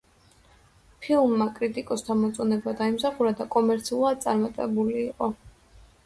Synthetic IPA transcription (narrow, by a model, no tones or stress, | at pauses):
pʰilˠmːakʼɾit̪ʼikʼɔst̪ʰamɔt̪sʼɔnɛbad̪aimsaχuɾad̪akʼɔmɛɾt̪sʰiulˠad̪̚t̪sʼaɾmat̪ʼɛbuliːqʼɔ